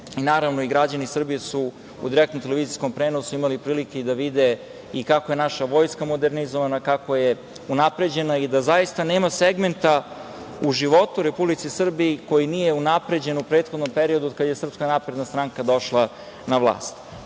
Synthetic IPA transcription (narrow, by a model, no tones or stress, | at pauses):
inaːɾaʋno̞iɡɾad͡ʑanisr̩bijesu | ṵd̪iɾek̚t̪omt̪eleʋiːziskompɾeːnosuimalipɾiːlikeid̪aʋid̪e | ikakoje̞naʃaʋo̞jskamo̞d̪e̞ɾnizoʋanakako̞je | unapɾe̞d͡ʑe̞naid̪azajist̪ane̞ːmaseɡme̞nt̪a | uʒiʋo̞t̪uɾepublit̪sisr̩biːko̞jinije̞unapɾe̞d͡ʑe̞nupɾeːt̪xo̞d̪no̞mpeɾiod̪uod̪̚kad̪je̞sr̩pskanapɾed̪nast̪ɾaŋkad̪o̞ʃlˠa | naʋlˠa̰ːst̪